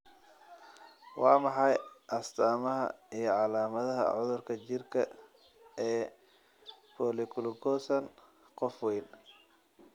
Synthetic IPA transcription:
wɑːmɑħɑjʔɐst̪ʰaːmɐɦɐ̰ijɞʕɑlaːmɐðɐɦɐ̰ʕʊðʊrkʰɐt͡ʃɪrkʰɐ̰ | ɛː | pʰɔːlɪkʰʊlʊɡʰɔːsɐn | qɔfwɛjn

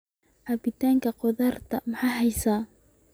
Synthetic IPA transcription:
ħɐbɪt̪ʰaːŋkʰɐqɔðɐrt̪ʰɐmɐħɑjɦɛjsaː

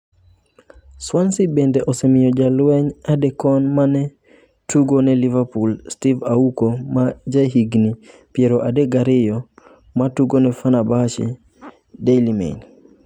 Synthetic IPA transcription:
swansibɛndɛʔɔsɛmɪjɔd͡ʒalwɛɲadɛkɔnmanɛ | tuɡonɛlivapulstivaukomad͡ʒaɦiɡni | pjɛɾɔʔadɛɡaɾɪjɔ | matuɡonɛfanabat͡ʃḭ | delimḛɲ

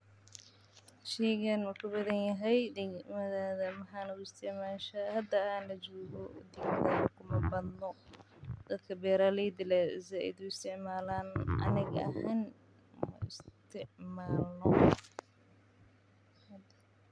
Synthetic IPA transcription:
ʃɛjɣɐnmɐkʰʊbɐðɐnjɐɦɛjd̪ɪɣmɐðaːðɐmɐħaːnɐʊɪst̪ʰɪʕmaːʃɐhɐd̪ɐaːnlɐt͡ʃɔːɣɔd̪ɪɡʰɐkʰʊmɐbɐd̪nɔ | d̪̥ɐd̪kʰɐbɛːɾaːlɛd̪ɪlɛzaʔɪ̰d̪ʊɪst̪ʰɪʕmaːlaːnʔɐ̰nɪɣɐ̰hɛn | mɐ̰ʔɪst̪ʰɪʕmaːlnɔ | hd̪

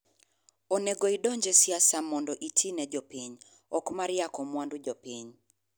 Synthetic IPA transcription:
onɛɡoidɔɲd͡ʒɛsjasamɔndɔʔitʰinɛd͡ʒopiɲ | ɔkmaɾjakɔmwandud͡ʒopiɲ

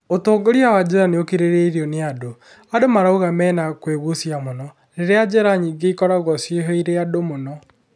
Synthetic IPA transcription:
otoːɡoɾiawad͡ʑɛɾaneokeɾeɾeiɾiɔneado | adomaɾaoɣamɛːnakweɣosjamonɔ | ɾeɾead͡ʒɛɾaɲiːɡeikɔɾaɣɔsjeɦeiɾeadomonɔ

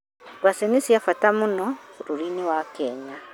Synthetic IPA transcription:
ɡwasenisiafatamunɔɾuɾiɲiwakɛɲa

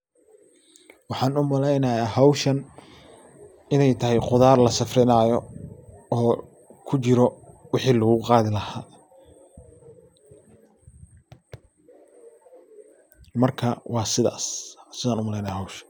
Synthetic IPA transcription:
wɑħɑːnʊmɐlɛjnɐjaːɦɐwʃɐn | ɪnɛjt̪ʰɐɦɛjqʊðaːrlɐsɐfrɪnaːjɔ | ɔː | kʰʊt͡ʃɪɾɔwɪħiːlɐɣʊqɑːðɪlɐhaː | mɐrkʰɐwʔɑːsɪða̰ːssɪðaːnʊmɐlɛjnɐjaːɦɐwʃɐ

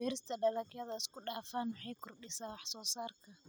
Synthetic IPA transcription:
bɛːɾɪst̪ʰɐɗɐlɐkɪjɐðɐɪskʊɗaːfaːnwɑħɑjkʰʊrɗɪsaːwɑħsɔːsaːrkʰɐ

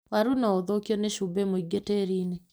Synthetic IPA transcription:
waɾunaoðokjɔneʃubemoiɡeteɾiːne

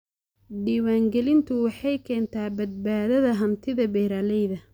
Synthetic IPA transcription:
ɖiːwaːŋɡɛlɪnt̪ʰʊwɑħɑjkʰɛːnt̪ʰaːbɐd̪̚baːðɐðɐɦɐnt̪ʰɪðɐbɛːɾaːlɛjðɐ

